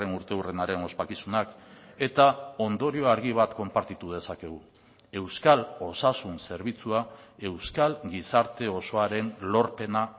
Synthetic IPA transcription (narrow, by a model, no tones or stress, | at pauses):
enuɾt̪e̞urenaɾe̞no̞spakisunake̞t̪ao̞nd̪o̞ɾio̞aɾɣ̞iβ̞at̪ko̞mpaɾt̪it̪uð̞e̞sake̞ɣ̞u | e̞wskalo̞sasunse̞ɾβit͡suae̞wskalɡisaɾt̪e̞o̞so̞aɾe̞nlo̞ɾpe̞na